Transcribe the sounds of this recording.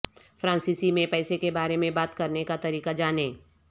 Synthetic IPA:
fɾãːnsiːsimẽpɛːsekebaːɾemẽbaːt̪kɐɾnekat̪ɐɾiːkad͡ʒaːneː

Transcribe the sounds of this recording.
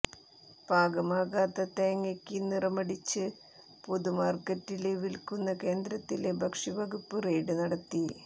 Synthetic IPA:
b̥ʱaːɡɐmaːɣaːt̪ːɐt̪eːŋːɐkʲːinirɐmɐɽit͡ɕːɨ | poðumaːrkɐtːileʋilkunːɐke̞ːnd̪ɾɐt̪ːilebʱɐkʂibɐɡupːɨrejɽɨnɐɽɐt̪ːi

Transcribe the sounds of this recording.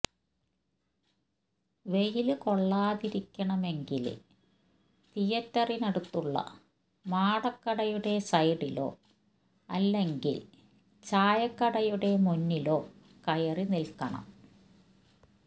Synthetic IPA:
ʋe̞jilɨko̞ɭːaːðiɾikʲːɐɳɐme̞ŋɡilɨ̰ | t̪ijɐt̪ːɐrinɐɽut̪ːuɭːɐ̰ | maːɽɐkːɐɽɐjuɽe̞sɐjɽilo̞̰ː | ɐlːe̞ŋɡḭl | t͡ɕaːjɐkːɐɽɐjuɽe̞munːilo̞ː | kɐjɐrinilkɐɳɐ̰m

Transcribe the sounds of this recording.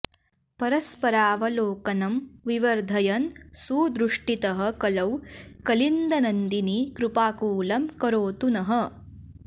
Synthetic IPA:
pɐɾɐspɐɾaːʋɐloːkɐnɐmʋiʋɐɾd̪ʱɐjɐnsuːd̪ɾuʂʈit̪ɐɦɐ̆kɐlɐwkɐlind̪ɐnɐnd̪inikɾupaːkuːlɐmkɐɾoːt̪unɐɦɐ

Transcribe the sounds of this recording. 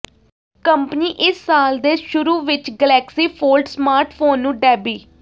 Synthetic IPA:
kəmpniːʔɪsːaːld̪eːʃʊɾuːʋɪt͡ʃɡəlɛːksiːpʰoːlʈsmaːɾʈʰpʰoːnːũːɖɛːbiː

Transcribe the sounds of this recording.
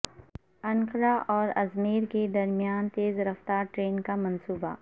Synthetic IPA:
ɐ̃ŋqɾaʔɔːɾɐzmeːɾked̪ɐɾmijaːnt̪eːzɾɐft̪aːɾʈɾeːnkamɐnsuːba̰

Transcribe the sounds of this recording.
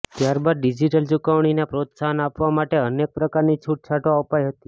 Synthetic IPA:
t̪jaɾbad̪ɖid͡ʒiʈəlt͡ʃukəʋɳ̃inapɾot̪saɦənapʋamaʈeənek̚pɾəkaɾnit͡ʃʰuʈ̚t͡ʃʰaʈoəpajɦət̪i

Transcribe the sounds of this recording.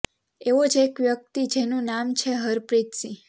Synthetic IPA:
eʋod͡ʒeːkʋjək̚t̪id͡ʒenũnamt͡ʃʰeɦəɾpɾit̪si

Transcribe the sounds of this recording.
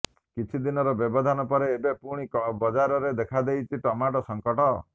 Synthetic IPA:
kit͡ʃʰid̪inɔɾɔbjɔbɔd̪ʱanɔpɔɾeːbepuɽ̃ikɔbɔd͡ʒaɾɔɾed̪ekʰad̪ejt͡ʃʰiʈɔmaʈɔsɔŋkɔʈɔ

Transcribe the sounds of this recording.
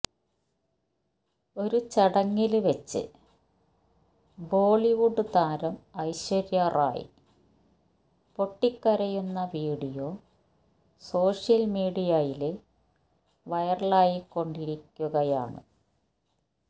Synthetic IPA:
o̞ɾut͡ɕɐɽɐŋːilʋet͡ɕːɨ̰ | bo̞ːɭiʋuɖɨt̪aːɾɐmɐjɕʋɐɾjɐrʔa̰ːjḭ | po̞ʈːikːɐɾɐjunːɐʋiːɽijo̞ | so̞ːʂjɐlmiːɽijɐjile | ʋɐjɐrlaːjikːo̞ɳɖiɾikʲːuɣɐja̰ːɳɨ̰

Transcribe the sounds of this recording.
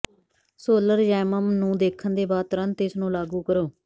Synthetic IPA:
soːləɾd͡ʒɛːməmnũːd̪eːkʰənd̪eːbaːt̪əɾənt̪ɪsnũːlaːɡuːkəɾoː

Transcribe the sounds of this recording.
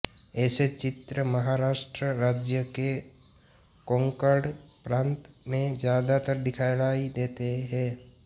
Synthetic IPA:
ɛːset͡ʃɪt̪ɾəmɐɦaɾaːʃʈɾəɾaːd͡ʒjəke | kõːŋkəɽpɾãːnt̪mẽzjaːd̪at̪əɾd̪ɪkʰaːjlaːid̪eːt̪eɦɛ̃ː

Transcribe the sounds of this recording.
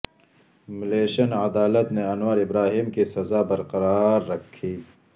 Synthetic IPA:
mɪleːʃɐnɐd̪aːlət̪neɐnwaɾɪbɾaːɦiːmkisɐzaːbɐɾqɐɾaːɾːɐkʰːiː

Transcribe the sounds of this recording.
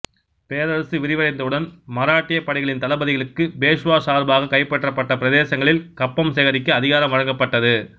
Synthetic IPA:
peːɾɐɾɐsɯʋɪɾɪʋɐɾɐɪnd̪ɐɯɽɐnmɐɾaːʈːɪjɐpːɐɽɐɪɣɐɭɪnt̪ɐlɐbɐðɪɣɐɭɯkːɯbeːʂɯʋaːsaːɾbaːɣɐkɐɪpːɛʈrɐpːɐʈːɐpɪɾɐðeːsɐŋɡɐɭɪlkɐpːɐmsɛɣɐɾɪkːɯɐðɪɣaːɾɐmʋɐɻɐŋɡɐpːɐʈːɐðɯ

